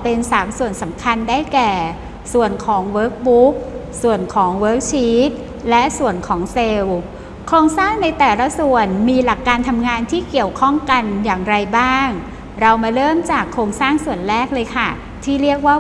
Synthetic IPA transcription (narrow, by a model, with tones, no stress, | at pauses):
pe˧nsaː˨˩˦msu˨˩ənsa˩˦mkʰa˧ndaː˥˩jkɛː˨˩ | su˨˩ənkʰɔː˩˦ŋwɤː˦˥k̚bu˦˥k̚ | su˨˩ənkʰɔː˩˦ŋwɤː˦˥k̚t͡ɕʰiː˦˥t̪̚ | lɛ˦˥ʔsu˨˩ənkʰɔː˩˦ŋse˧w | kʰɾoː˧ŋsaː˥˩ŋna˧jt̪ɛː˨˩la˦˥su˨˩ənmiː˧la˨˩kːaː˧nt̪ʰa˧mŋaː˧nt̪ʰiː˥˩ki˨˩əwkʰɔ˥˩ŋka˧njaː˨˩ŋɾa˧jbaː˥˩ŋ | ɾa˧wmaː˧ɾɤː˥˩mt͡ɕaː˨˩kʰːɾoː˧ŋsaː˥˩ŋsu˨˩ənlɛː˥˩k̚lɤː˧jkʰa˥˩ | t̪ʰiː˥˩ɾi˥˩ək̚waː˥˩